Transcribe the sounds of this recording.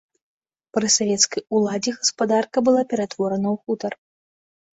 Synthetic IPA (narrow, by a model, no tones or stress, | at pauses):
pɾɨsavʲɛt̪skɐjulˠad͡zʲiɣɐspad̪arkɐbɨlˠapʲɛɾat̪vɔɾɐnɐwxut̪ɐr